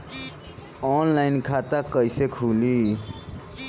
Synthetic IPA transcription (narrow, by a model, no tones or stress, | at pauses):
ɔnlaɪnkʰat̪akəjsekʰuli